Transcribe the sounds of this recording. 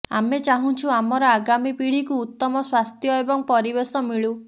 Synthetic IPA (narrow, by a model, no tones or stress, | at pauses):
amet͡ʃaɦũt͡ʃʰuamɔɾɔaɡamipiɽ̤ikuːt̪ːɔmɔswast̪ʰjɔebɔŋpɔɾibesɔmiɭu